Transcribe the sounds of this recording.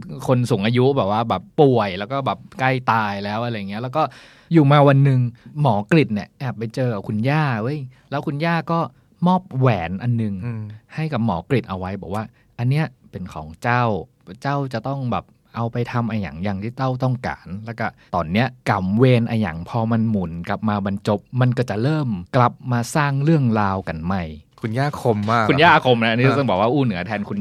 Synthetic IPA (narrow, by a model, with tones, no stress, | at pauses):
kʰo˧nsu˨˩˦ŋʔaː˧ju˦˥bɛː˨˩p̚waː˥˩bɛː˨˩pːu˨˩əjlɛː˦˥wkɔː˥˩bɛː˨˩p̚ka˥˩jt̪aː˧jlɛː˦˥wʔa˧ɾa˧jːa˨˩ŋːi˦˥˩lːɛ˦˥wkɔː˥˩ | juː˨˩maː˧wa˧nːɯ˨˧ŋmɔː˩˦kli˨˩t̪̚ni˧˩ɐʔɛː˨˩pːa˧jt͡ɕɤː˧ka˨˩p̚kʰu˧njaː˥˩ʔɤ˦˥˩jlɛː˦˥wkʰu˧njaː˥˩kɔː˥˩ | mɔː˥˩p̚wɛː˩˦nʔa˧nːɯ˨˧ŋha˥˩jka˨˩p̚mɔː˩˦kli˨˩t̪̚ʔa˧wa˦˥jbɛː˨˩k̚waː˥˩ | ʔa˧nːi˦˥ɐpe˧nkʰɔ̰ː˩˦ŋt͡ɕa˥˩w | t͡ɕa˥˩wt͡ɕa˨˩t̪ɔ˥˩ŋbɛ̰ː˨˩p̚ | ʔa˧wpa˧jt̪ʰa˧mʔa˧ja̰˨˩˦ŋja˧˩ŋt̪ʰiː˥˩t̪a˥˩wt̪ɔ˥˩ŋka̰ː˩˦nlɛː˦˥˩wkɔ˥˩t̪ɔː˨˩nːi˦˥ɐka˨˩mweː˧nʔa˧ja̰˨˩˦ŋpʰɔː˧ma˧nmu˩˦nka˨˩p̚maː˧ba˧nt͡ɕo˧˩p̚ma˧nkɔː˥˩t͡ɕa˨˩ʔɾɤː˥˩mkla˨˩p̚maː˧saː˥˩ŋɾɯ˥˩əŋɾaː˧wka˧nma˥˩jkʰu˧njaː˥˩kʰo˧mːaː˥˩kku˧njaː˥˩kʰo˧mna˧˦ʔniː˦˥˧t̪ɔ˥˩bɛː˨˩k̚waː˥˧ʔuː˥˩nɯ˨˩˦t̪ʰɛː˧nkʰu˧n